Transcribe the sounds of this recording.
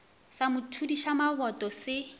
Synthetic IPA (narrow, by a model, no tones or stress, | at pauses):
samʊtʰudiʃamaβɔtʼɔsɪ